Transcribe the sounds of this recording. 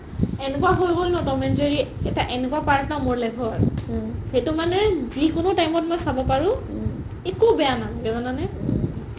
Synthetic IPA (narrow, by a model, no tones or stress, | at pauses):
ɛnɛkuwaɦojbɔlnɔtɔmɛnteɹiɛtaʔɛnɛkuapaɹtnaʊmoɹlɛbʱɔaɹxetʊmanɛzikʊnʊtajmɔt̚mɔjsabɔpaɹũ | ekubɛjanalɛɡɛzɔnanɛ